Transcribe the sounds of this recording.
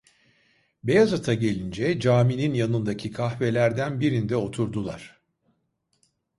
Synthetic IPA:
be̞jazat̪ʰaɟe̞lʲind͡ʒɛd͡ʒaːmininjanɯnd̪acʰikʰahve̞lʲæɾd̪ænbiɾind̪ɛo̞t̪ʰuɾd̪ulˠa̰ɾ̥

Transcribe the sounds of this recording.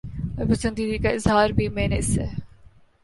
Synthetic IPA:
ɔɾpɐsə̃nd̪iːd̪ikaɪzɦaːɾbʱimẽːnɪse

